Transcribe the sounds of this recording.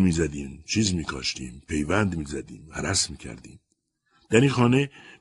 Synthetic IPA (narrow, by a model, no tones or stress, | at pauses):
miːzæd̪iːmt͡ʃʰiːzmiːkʰɒ̰ːʃt̪ḭːmpʰe̞jvænd̪miːzæd̪iːmæɾæsmiːcʲʰæ̰ɾd̪ḭːm | d̪̥æɾiːxɒːne